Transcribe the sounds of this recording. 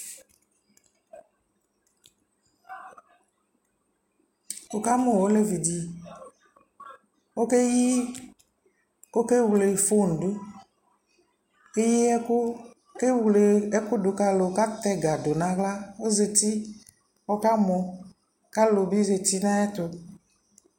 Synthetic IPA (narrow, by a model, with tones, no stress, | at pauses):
wo˨ka˦mõ˨wo˦le˦vi˨di˨ | wo˦ke˦ji˦ | ko˦ke˦wu˨le˨fo˦˨n̩˨du˦ | e˦ji˦ɛ˦ʊ˦ | ke˦wle˨ɛ˦kʊ˦dʊ˨ka˨lo˨ka˦t̪ɛ˦ɡa˨do˨nã˨ɣla˦wo˦ze˨t̪i˦ | wɔ˦ka˦mɔ̃˨ | ka˦lo˨bi˦ze˨t̪i˦nã˦ɛ˦t̪o˨